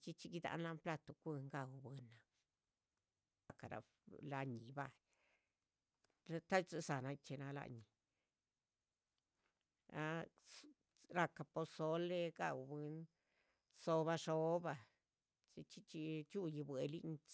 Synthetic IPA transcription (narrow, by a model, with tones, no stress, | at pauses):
t͡ʃi˧t͡ʃi˧ɡi˧d̪a̰˧nla˧mpla˧t̪o˨˧kʷi˧ŋɡa˧˨wbe˧na˧ | a˧ka˨ɾa̰˧ | la˧ɲi˨ba˦˧j | t̪a˦t͡se˧sa˨na˧t͡ʃe˧na˧la̰˧ɲi˨ | a˦ | ɾa˧ka˧po˧so˧le˧ɡa̰˦˧˨wbe˧n | so˧βa˧ʂo˧˦ba˧ | t͡ʃi˧t͡ʃi˧t͡ʃi˧t͡ʃu˦˧ji˧bwe˨lḭ˧ɲ˧